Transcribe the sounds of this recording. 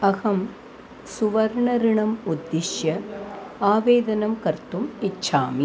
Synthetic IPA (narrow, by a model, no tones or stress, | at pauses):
ɐɣɐm | sʊʋɐɾɳɐɾɪɳɐmʊd̪ːɪʂjɐ | aːʋeːðɐnɐmkɐɾt̪umɪt͡ʃːaːmi